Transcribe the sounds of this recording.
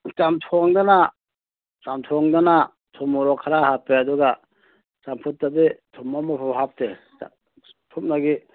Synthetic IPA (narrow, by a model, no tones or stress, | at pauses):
t͡ʃamtʰɔŋdana | samtʰɔŋdana | tʰɔmuɾɔkʰːaɾahapeaduɡa | t͡ʃampʰut̚ːabitʰumamapʰɔphap̚te | pʰup̚naɡi